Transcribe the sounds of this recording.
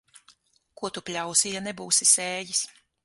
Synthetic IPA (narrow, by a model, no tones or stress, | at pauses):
kuɔt̪upʲlʲawsijanɛbuːsisɛːjis